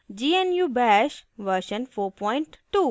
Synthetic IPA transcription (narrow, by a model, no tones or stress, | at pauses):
d͡ʒiːenjuːbɛʃʋəɾʃə̃nfoːɾpɔ̃ɪ̃ɳʈʈːuː